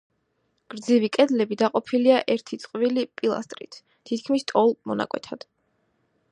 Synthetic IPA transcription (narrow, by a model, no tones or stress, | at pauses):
ɡ̥ɾd̪zivikʼɛd̪lɛbid̪aqʼɔpʰiliaʔɛɾt̪ʰit̪sʼqʼvilipʼilˠa̰st̪ʼɾḭt̪ʰ | t̪ʰit̪̚ʰkʰmist̪ʼɔlˠmɔna̰kʼwɛ̰t̪ʰad̪̥